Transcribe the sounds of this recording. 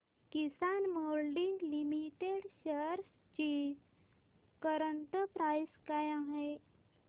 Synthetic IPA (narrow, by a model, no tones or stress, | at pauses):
kisanmolɖiŋɡlimiʈeɽɕəɾs | t͡ɕi | kəɾəɳʈəpɾajskajaɦe